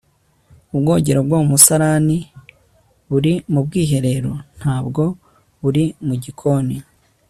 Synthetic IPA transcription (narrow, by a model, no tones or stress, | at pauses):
ubɡo̞ːɟe̞ɾobɡomusaɾani | βuɾimubɡiːɦe̞ɾe̞ɾo̰n̥haːbɡo̞ | βuɾimuɟikʰo̞ni